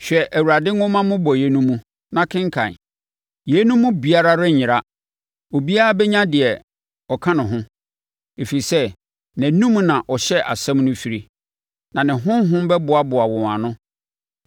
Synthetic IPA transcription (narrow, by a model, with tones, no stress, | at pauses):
ɕᶣɛ˨ʔæ˨wu˨ɾa˨dɪ˦ʊ̃˦mã˦mʊ̃˦bɔ˨jɛ˨nũ˦mũ˦ | nã˨kʰɪ̃˦ŋ˦kʰã̰˨n | je˨˦nũ˦mːʊ̃˦bi˦a˦ɾa˦ɾɛ˦ɲɪ̃˨ɾa˦ | o˨bi˦a˦a˦bɛ˦ɲã˦dɪ˨ɛ˨ | ɔ˨kʰã˦nʊ̃˨ɦʊ̃˦ | e˨fi˨ɾi˨sɛ˦ | næ̃˨nũ˦m˦nã˨ʔɔ˨ɕɛ˦ʔa̰˨sɛ̃˦mnʊ̃˦fi˨ɾi˦ | nã˨nɪ̃˨ɦʊ̃˦mɦʊ̃˦m˦bɛ˦bʊ˨a˨bʊ˨a˨wɔ̃˨ã˨nʊ̃˦